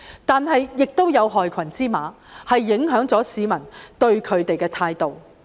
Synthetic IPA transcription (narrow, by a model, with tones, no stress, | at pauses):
t̪aː˨nɦɐ˨jːɪ˨k̚t̪o˥wjɐ˨˧wɦɔː˨jkʰɐ˨˩nt͡siː˥maː˨˧ | hɐ˨jːɪ˨˥ŋɦœː˨˥ŋt͡sɔː˨˥siː˨˧mɐ˨˩nt̪ɵ˧ɥkʰɵ˨˧ɥt̪e˨jkɛː˧t̪ʰaː˧jt̪o˨w